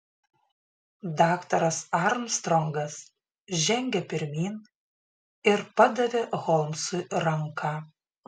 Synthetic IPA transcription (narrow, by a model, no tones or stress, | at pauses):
d̪ɑːkt̪ɐɾɐsɑɾmst̪ɾɔŋɡɐs | ʒʲɛŋʲɡʲɛpʲɪɾʲmʲiːn | ɪɾpɐd̪ɐʋʲeɣɔlˠmsʊjɾɐŋkɑ